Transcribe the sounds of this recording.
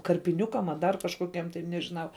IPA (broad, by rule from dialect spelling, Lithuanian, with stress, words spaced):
kɐrʲpʲɪˈnʲʊkɐm ɐ dɐr kɐʃkoːˈkʲiɛm tɐɪ nʲɛʒʲɪˈnɐʊ